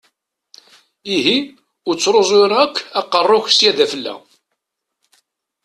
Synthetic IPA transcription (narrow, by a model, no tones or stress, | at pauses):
iɦi | ʊɾt͡sːɾozˤoɾækʰːæqːərˤːʊçsjæðæfəlːæ̰